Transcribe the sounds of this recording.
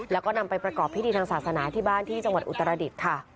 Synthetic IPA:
lɛː˦˥wkɔː˥˩na˧mpa˧jpɾa˧kɔː˨˩p̚ʰiː˥t̪iː˧t̪ʰa˧ŋsaː˨˩sa˧naː˩˦t̪ʰiː˥˩baː˥˩nt̪ʰiː˥˩t͡ɕa˧ŋwa˨˩ʔu˨˩t̪ːa˧ɾa˧di˨˩t̪̚kʰa˥˩

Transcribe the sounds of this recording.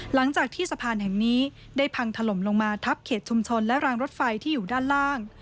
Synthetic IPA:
la˩˦ŋt͡ɕaː˨˩k̚t̪ʰiː˥˩sa˧pʰaː˧nɦɛ˨˩ŋniː˦˥ | daː˥˩jpʰa˧ŋt̪ʰa˧lo˩˦mlo˧ŋmaː˧t̪ʰa˦˥p̚kʰeː˨˩t̪̚t͡ɕʰu˧mt͡ɕʰo˧nlɛ˦˥ʔɾaː˧ŋɾo˦˥t̪̚fa˧jt̪ʰiː˥˩juː˨˩daː˥˩nlaː˥˩ŋ

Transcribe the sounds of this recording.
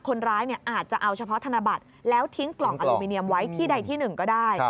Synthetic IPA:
kʰo˧nɾaː˦˥jni˥˩əʔaː˨˩t̪̚t͡ɕa˨˩ʔa˧wt͡ɕʰa˧pʰɔ˦˥t̪ʰa˧na˧ba˨˩t̪̚ | lɛː˦˥wt̪ʰi˦˥ŋklɔ˨˩ŋʔa˧luː˧mi˧ni˧əmwa˦˥jt̪ʰiː˥˩da˧jt̪ʰiː˥˩nɯ˨˩ŋkɔː˥˩daː˥˩j

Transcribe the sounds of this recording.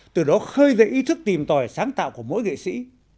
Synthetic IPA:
t̪ɨ˨˩ɗɔ˨˦xəː˧jzḛ˧˨ʔi˨˦t̪ʰɨ˦˥k̚t̪i˨˩mt̪ɔ˨˩jsaː˨˦ŋt̪a̰ː˧˨wku˧˩əmo̰˧˥jɣḛ˧˨sḭ˧˥

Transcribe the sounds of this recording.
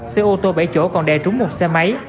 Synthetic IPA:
sɛ˧ʔo˧t̪o˧ɓə˧˩jt͡ɕo˧˩kɔ˨˩nɗɛ˨˩t͡ɕʊ˨˦ŋ͡mmo˨˩t̚sɛ˧ma˨˦j

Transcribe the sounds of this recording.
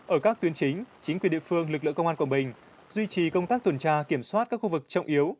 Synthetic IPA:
ʔəː˧˩kaː˦˥k̚t̪wi˨˦ənt͡ɕï˨˦ŋ̟t͡ɕï˨˦ŋkwnɗḭ˧˨fɨ˧əŋlɨ˨˩k̚lɨ̰˧˨˧wŋ͡mʔa˧kwa˨˩mɓï˨˩ŋ̟ | zwi˧t͡ɕi˨˩kə˧wŋ͡mt̪aː˦˥k̚t̪ʰə˨˩nt͡ɕaː˧ki˧˩əmswaː˦˥t̚kaː˦˥k̚xu˧˩vɨ˨˩k̚t͡ɕə˧wŋ͡mʔi˨˦əw

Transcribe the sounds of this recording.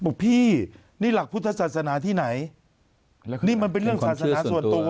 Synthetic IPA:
bu˨˩k̚pʰiː˥˩ | niː˥˩la˨˩k̚pʰu˥t̪ʰːa˧saː˨t̪̚sa˧naː˩˦t̪ʰiː˥˩na˩˦j | niː˥˩ma˧npe˧nɾɯ˥˩əŋsaː˨˩sa˥˧˨aː˩˦su˨˩ənt̪u˧ɐ

